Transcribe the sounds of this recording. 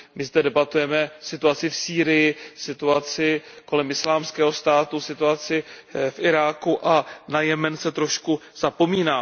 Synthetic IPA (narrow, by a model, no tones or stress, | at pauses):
mɪzdɛdɛbat̪ujɛmɛsɪt̪uat͡sɪfsiːɾɪjɪsɪt̪uat͡sɪko̞lɛmɪslaːmskɛːɦo̞st̪aːt̪usɪt̪uat͡sɪfʔɪɾaːkuʔanajɛmɛnsɛt̪ɾo̞ʃkuz̥apo̞miːnaː